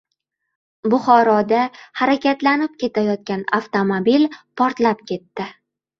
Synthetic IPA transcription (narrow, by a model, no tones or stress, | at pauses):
bʊχɒɾɒd̪ahaɾakʲat̪lanɪp̚kʲʰe̞t̪ʰajɒt̪̚kʲanaft̪ʰomobilpʰɒɾt̪lapkʲʰe̞t̪ːɪ